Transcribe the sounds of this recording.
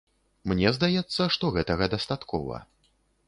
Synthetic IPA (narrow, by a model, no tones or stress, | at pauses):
mnʲɛzd̪ajɛt̪sːɐʂt̪ɔɣɛt̪ɐɣɐd̪ɐst̪at̪kʰɔvɐ̰